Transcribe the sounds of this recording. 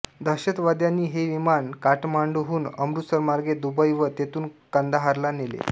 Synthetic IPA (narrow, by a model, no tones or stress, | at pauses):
d̪ʱəɕət̪ʋad̪janːiːɦeʋimankaʈmaɳɖuɦuːnəmɾut̪səɾmaɾɡed̪ubəjʋət̪et̪uːnkand̪aɦaɾlanelḛ